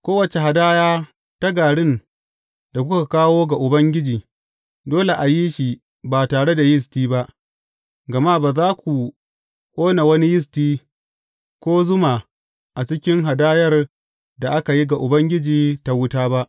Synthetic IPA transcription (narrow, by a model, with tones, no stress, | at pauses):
kʷoː˦wɐ˨t͡ʃe˨ɦa˨daː˦jaː˦ | ta˦ɡaː˨ɽɪ˦n | da˨kʷʊ˦ka˨kaː˦woː˦ɡa˨ʔʊ˨bɐ˦ŋɡʲɪ˦d͡ʒiː˨ | doː˦le˨ʔa˨ji˦ʃi˨ | baː˨taː˨ɽe˦da˨jɪ˦s̬tiː˦ba˦ʔ | ɡɐ˨ma˦˨baː˨zaː˦kʷu˨ | kʷʼoː˦na˨wɐ˦ni˦jɪ˦s̬tiː˦ | kʷoː˦zʊ˦ma˨ | ʔa˨t͡ʃɪ˦kʲɪ˦ŋɦa˨daː˦jɐ˦r | da˨ʔa˦ka˨ji˦ɡa˨ʔʊ˨bɐ˦ŋɡʲɪ˦d͡ʒiː˨ta˦wʊ˦taː˦ba˦ʔ